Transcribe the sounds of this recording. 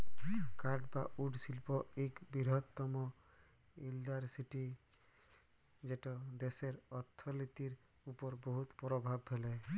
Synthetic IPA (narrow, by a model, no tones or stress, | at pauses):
kaɖbauɖsilpɔekbiɾɦɔt̪ːɔmɔ | ilːaɾsiʈi | d͡ʒeʈɔd̪eseɾɔt̪ʰːɔlit̪iɾ | upɔɾbɔɦut̪pɾɔbʱabɦɛlɛ